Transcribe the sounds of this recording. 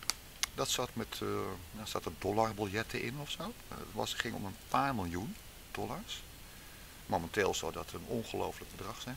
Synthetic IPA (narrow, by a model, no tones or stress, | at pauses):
dɔtsatmɛtjasa̰tərdɔlarbəlˠjɛtʰəʔɪnɔfsoː | ʋɔ̰sχɪŋɔ̰mənpʰaːrmɪlˠjun | d̥ɔlars | momənteːlˠsodɔtərənɔnχəlowfələk̚bədrɑχsɛn